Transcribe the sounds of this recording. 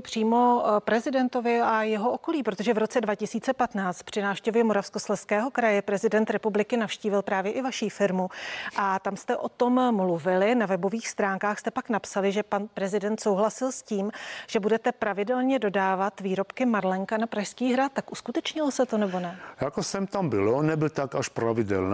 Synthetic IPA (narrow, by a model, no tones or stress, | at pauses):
pr̥iːmo̞pɾɛzɪdɛnt̪o̞vɪʔajɛɦoʔoko̞liːpɾot̪oʒɛvɾo̞t͡sɛdvacɪsiːt͡sɛpat̪naːt͡st̪̚pr̥ɪnaːfʃcɛvjɛmo̞ɾafsko̞slɛskɛːɦo̞kɾajɛpɾɛzɪdɛnt̪ɾɛpublɪkɪnafʃciːvɪlpɾaːvjɛʔɪvaʃiːfɪɾmuʔat̪amst̪ɛʔo̞t̪o̞mːluvɪlɪnavɛbo̞viːxst̪ɾaːŋkaːxst̪ɛpaknapsalɪʒɛpanpɾɛzɪdɛnt̪so̞wɦlasɪlsciːmʒ̥ɛbudɛt̪ɛpɾavɪdɛlɲɛdo̞daːvat̪viːɾo̞pkɪmaɾlɛŋkanapɾaʃskiːɦɾat̪ːakʔuskut̪ɛt͡ʃɲɪlosɛt̪o̞nɛbo̞nɛjakosɛmt̪ambɪlonɛbɪlt̪akaʃpɾavɪdɛ̰ln